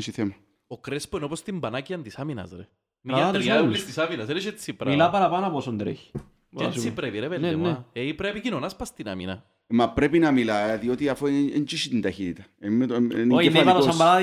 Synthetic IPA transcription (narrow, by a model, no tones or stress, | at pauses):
siθema | okɾespuenopost̪imbanaciand̪isaminɐ̰sɾḛ | miaɾilːist̪isaminasɾet͡ʃet̪sipɾmilapaɾapanaposond̪ɾḛçi̥ | ssipɾepiɾepeneneipɾepikinonaspast̪ina̰mḭna̰ | mapɾepinamilaðjot̪iafoent͡ʃiʃit̪ind̪açit̪ḁemːenoefasaaɾa